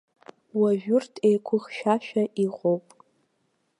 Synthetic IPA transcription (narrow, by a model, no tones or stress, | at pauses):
waʒᶣʊrtʰejkʷʰʊχʃᶣaʃᶣaʔiʁʷʼowpʼ